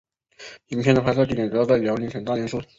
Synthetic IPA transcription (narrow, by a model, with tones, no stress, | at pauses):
i˧˥m˥pʰjɛ˥˩d̪ə˩pʰa˧˥sɑ˥˧t̪i˥˩ɛ˨˩n̩˩˧˥j̪t͡sa˥˩ɪljɑ˧˥ʊli˧˥ŋxə˨˩nt̪a˥˩nɛ˧˥nʂu˥